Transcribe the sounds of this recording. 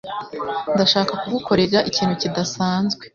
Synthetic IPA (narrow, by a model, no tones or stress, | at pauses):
ndaʃaːkakuɡukʰo̞ɾe̞aʔiciːn̥hucidasaːnzɡwe̞